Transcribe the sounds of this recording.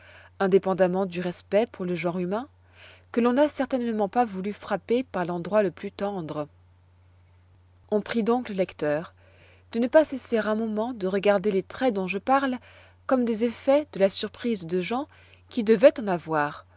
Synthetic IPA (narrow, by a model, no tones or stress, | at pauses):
ɛ̃d̪epɑ̃d̪amɑ̃d̪yʁɛspɛpuʁləʒɑ̃ʁymɛ̃ | kəlɔ̃nasɛʁt̪ɛnmɑ̃pavulyfχapepaʁlɑ̃d̪ʁwaləplyt̪ɑ̃d̪ʁ | ɔ̃pχid̪ɔ̃kləlɛkt̪œːʁ | d̪̥ənəpaseseʁɛ̃mɔmɑ̃d̪əʁəɡaʁd̪elet̪χɛd̪ɔ̃ʒəpaʁl | kɔmd̪ezefɛd̪̥əlasyʁpχizd̪əʒɑ̃ | kʲid̪əvɛt̪ɑ̃navwaːʁ